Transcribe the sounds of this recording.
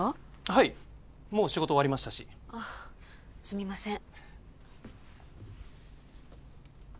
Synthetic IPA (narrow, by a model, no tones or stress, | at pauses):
a | hai | moːɕiɡo̞t̪oaɾʲimaɕi̥t̪aɕia | sɨmʲimasẽ